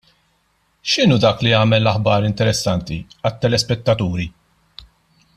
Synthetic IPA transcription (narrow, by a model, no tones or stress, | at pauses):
ʃɪnuːd̪ɐːkliɐːmɛlːɐħbɐːɾɪnt̪ɛɾɛsːɐnt̪iɐt̪ːɛlɛspɛt̪ːɐt̪uːɾi